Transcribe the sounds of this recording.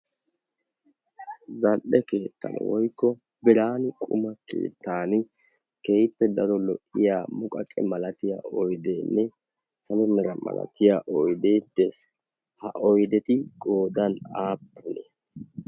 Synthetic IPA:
zɐlʔɛkeːt̪ːɐ̰nʔɛ̰wɔjkːɔ | bɪɾaːnɪkʼʊ̰mɐkḛːt̪ːaːnɪ | kejpːɛd̪ɐɾɔlɔʔːɪjaːmʊkʼɐkʼɛmɐlɐt̪ɪja̰ɔjd̪enːɛ | sɐnɛnɛɾɐmɐ̰lɐ̰t̪ɪjaʔɔjd̪eːd̪ɛs | hɐʔɔjd̪ɛt̪ɪɡo̞ːd̪ɐnaːpːʊne

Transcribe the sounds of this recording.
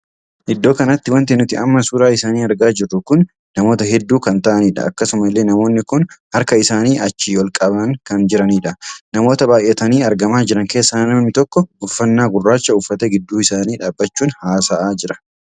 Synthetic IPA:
ʔɪd̪ːo̞ːkɐnɐt̪ːɪwɐnt̪enʊt̪ɪʔɐmːɐsuːɾaːɪsaːniːɐɾɡaːd͡ʒɪrːʊkʊnː | ɐmo̞ːt̪ɐɦɛd̪ːuːkɐnt̪ɐʔɐniːᶑɐ̰ɐ̰kːɐsʊmɐlːe̞ːnɐmo̞ːnːɪkʊnhɐɾkɐɪsaːniːʔɐt͡ʃːiːwɔlkʼɐbɐŋkɐnd͡ʒɪɾɐniːᶑɐnɐmo̞ːt̪ɐbaːjʔɛt̪ɐniːɐɾɡɐmaːd͡ʒɪɾɐŋke̞ːsːɐnnɐmɐmɪt̪ɔkːɔʊfːɐnːaːɡʊrːaːt͡ʃːɐʊfːɐt̪eɡɪd̪ːuːɪsaːniːᶑaːbːɐt͡ʃːuːnhaːsaʔaːd͡ʒɪɾɐ̥

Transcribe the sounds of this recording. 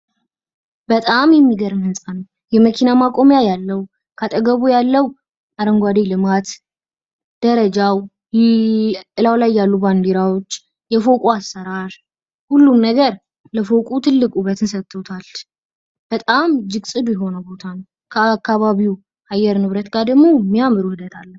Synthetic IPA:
bət̪ʼamjɛmːiɡəɾɨmhɨnsʼanw | jɛməkʰinamakʼo̞mjajalːəw | kʰat̪ʼəɡəβujalːəw | aɾəŋɡʷad̪elɨmat̪ | d̪̥əɾəd͡ʒaw | ʔɨlawlajːalːuband̪eɾawo̞t͡ʃː | jɛfo̞kʼuasːəɾaɾ | hulːumnəɡəɾ | ləfokʼut̪ʰɨlːɨkʼuβət̪ɨnsət̪ʰːot̪ʰal | b̥ət̪ʼamd͡ʒɨɡsʼɨd̪ujɛɦo̞nəbo̞t̪ʰanəw | kʰəakːaβaβiw | ʔajːɛɾnɨβɾət̪ɡad̪əɡmːo̞mːijamɨɾuhɨd̪ət̪ʰalːəh

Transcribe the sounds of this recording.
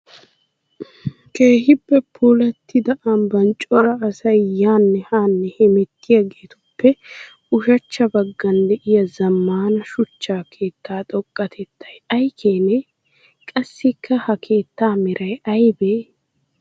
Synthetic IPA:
ke̞ːɦɪpːɛpʰulɐt̪ːɪd̪ɐʔɐnbɐnt͡ʃʼɔɾɐːsɐjjaːnːɛhaːnːɛhɛmɛt̪ːɪjɐɡeːt̪ʊpːɛ | ʊʃɐt͡ʃːɐbɐɡːɐnd̪ɛʔɪjɐzɐmːaːnɐʃʊt͡ʃːaːkʰe̞ːt̪ːaːt̪ʼɔkʼːɐt̪ʰɛt̪ʰːɐjɐjkʰeːnɛ | kʼɐsːɪkʰːɐhɐkʰe̞ːt̪ːaːmɪɾʔɐjɐjbeː

